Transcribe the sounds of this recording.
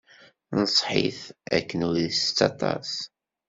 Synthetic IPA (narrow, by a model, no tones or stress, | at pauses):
nəsˤħḭθæ̰kːənuðist͡sːɑt̪ˤɑ̰s